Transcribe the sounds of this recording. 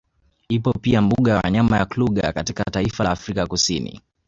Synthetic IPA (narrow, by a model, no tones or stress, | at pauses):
ipɔpiambuɠawaa̰ɲamajakluɠa̰katikataifalaːfɾikakusinḭ